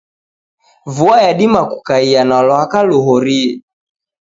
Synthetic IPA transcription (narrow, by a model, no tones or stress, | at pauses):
vuajaɗimaku̥kaianalɔakaluɦɔɾi